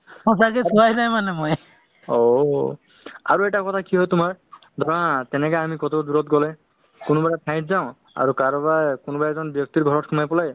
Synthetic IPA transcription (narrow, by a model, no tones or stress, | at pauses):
ɔsakɛsuajzajmanɛmɔj | o | a̰ɹuɛʈakɔt̪ʰakiɦɔjtʊmaɹ | d̪ʱɔɹaatɛnɛkaamikɔt̪ʰɔd̪uɹɔtɡɔlɛ | kʊnʊbaɹatʰãj̃tʰzaʊ̃ | a̰ɹukaɹɔbajkʊnbajzɔnbjɔk̚t̪iɹɡʱɔɹɔt̚kʰumajpɔlaj